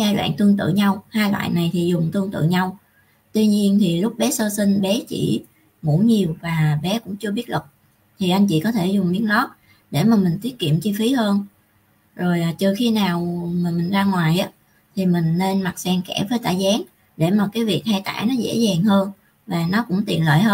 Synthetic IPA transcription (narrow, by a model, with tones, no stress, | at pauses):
zaː˧jlwa̰ː˧˨ŋt̪ɨ˧əŋt̪ɨ̰˧˨ɲa˧whaː˧jlwa̰ː˧˨jna˨˩jt̪ʰi˨˩zʊ˨˩ŋ͡mt̪ɨ˧əŋt̪ɨ̰˧˨ɲa˧w | t̪wi˧ɲi˧ənt̪ʰi˨˩lʊ˦˥k͡p̚ɓɛ˨˦səː˧si˧ŋ̟ɓɛ˨˦t͡ɕḭ˧˩ | mṵ˧˥ɲi˨˩əwvaː˨˩ɓɛ˨˦kʊ̰˧˥ŋ͡mt͡ɕɨ˧ɓi˦˥ət̚lə˨˩k̚ | t̪ʰi˨˩ʔa˧ŋ̟t͡ɕḭ˧kɔ˨˦t̪ʰe˧˩zʊ˨˩ŋ͡mɓi˨˥ənnɔ˨˦ | ɗe˧˩maː˨˩mï˨˩ŋ̟t̪wi˦˥ət̚kḭ˧˨əmt͡ɕi˧fi˨˦həː˧n | zo˨˩jʔaː˨˩t͡ɕəː˨˩xi˧naː˨˩wma˨˩mï˨˩ŋ̟zaː˧ŋwaː˨˩jʔaː˨˦ | t̪ʰi˨˩mï˨˩ŋ̟ne˧nma˨˩t̚sɛ˧ŋkɛ˧˩vəː˨˦jt̪a̰ː˧˩jzaː˨˦ŋ | ɗe˧˩maː˨˩kaː˨˦jvi˨˩ək̚haː˧jt̪a̰ː˧˩jnɔ˨˦zḛ˧˥zaː˨˩ŋhəː˧n | vaː˨˩nɔ˨˦kʊ̰˧˥ŋ͡mt̪i˨˩ənlə̰ː˧˨jhɦəː˧n